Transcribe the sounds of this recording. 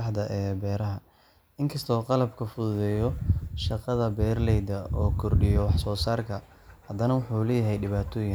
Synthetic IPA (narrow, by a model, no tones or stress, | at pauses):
ħd̪ɐʔɛːbɛːɾɐɦɐ | ɪŋkʰɐst̪ʰɔːqɑlɐbkʰɐfʊðʊðɛjɔʃɑqɑðɐbɛːrlɛjd̪ɐʔɔːkʰɔrɖɪjɔwɑħsɔːsaːrkʰɐ | hɐd̪ɐnɐwʊħuːlɛːjɐɦɛjɖɪβaːt̪ʰɔːjɪn